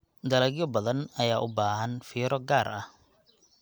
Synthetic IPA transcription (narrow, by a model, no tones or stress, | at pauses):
d̪ɐlɐɣjɔbɐðɐnɐjaːʔʊbaːhɐnfiːɾɔɡaːrʔɐh